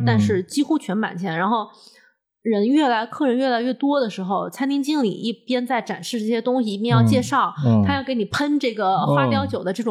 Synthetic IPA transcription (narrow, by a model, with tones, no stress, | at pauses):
t̪a˥˧nʂɻ̩˥˩t͡ɕi˥xu˥t͡ɕʰɥɛ˧˥npa̰˨˩nt͡ɕʰjɛ˧˥nɻa˧˥nxo˥˩ʊ | ɻə˧˥nɥɛ˥˩la˧˥ɪkʰɤ˥˩ɻə˧˥nɥɛ˥˩la˧˥ɪɥɛ˥˩t̪wɔ˥d̪ə˨ʂɻ̩˧˥xo˧ʊt͡sʰa˥ɪt̪ʰi˥ŋt͡ɕi˥˩ŋlḭ˨˩ʔi˥˩pjɛ˥nt͡sa˥˩ɪʈ͡ʂa˨˩nʂɻ̩˥˧ʈ͡ʂɤ˥˩ɕjɛ˥t̪ʊ˥ŋɕi˨i˥˩pjɛ˥˧njɑ˥˧ʊt͡ɕjɛ˥˧ʂɑ˥˩ʊt̪ʰa˥jɑ˥˩ke˧˥ɪni˨˩pʰə˥nʈ͡ʂɤ˥˩ɡə˩xwa˥pjɑ˥ʊt͡ɕjo˨˩ʊd̪ə˦ʈ͡ʂɤ˥˩ʈ͡ʂʊ˨˩